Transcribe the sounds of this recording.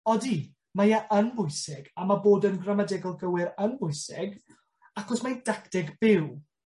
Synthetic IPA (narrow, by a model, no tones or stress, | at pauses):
ɔdi | majaʔənbʊɨsɪɡamaboːdənɡramadɛɡɔlˠɡəwɪɾənbʊjsɪɡ | akɔsmajdaktɛɡb̥ɪw